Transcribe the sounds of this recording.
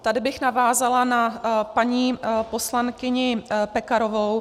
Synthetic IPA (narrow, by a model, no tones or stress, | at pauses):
t̪adɪbɪxnavaːzalanapaɲiːpo̞slankɪɲɪpɛkaɾovow